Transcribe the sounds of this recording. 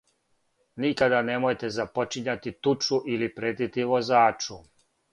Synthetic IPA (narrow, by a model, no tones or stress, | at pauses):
nikad̪ane̞mojt̪e̞zapo̞t͡ʃiɲat̪it̪ut͡ʃuʔilipɾet̪it̪iʋo̞zaːt͡ʃu